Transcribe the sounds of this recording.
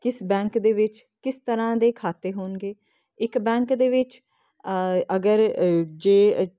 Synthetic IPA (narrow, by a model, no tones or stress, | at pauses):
kɪsbɛ̃ːŋkd̪eːʋɪt͡ʃ | kɪst̪əɾãːd̪eːkʰaːt̪eːɦoːnɡeː | ɪkbɛ̃ːŋkd̪eːʋɪt͡ʃ | əɡəɾd͡ʒeː